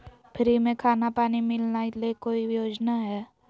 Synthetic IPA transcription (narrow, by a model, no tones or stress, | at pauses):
pʰɪɾimẽkʰaːnapaːnimɪlnailekoːijoːd͡ʒnaɦɛː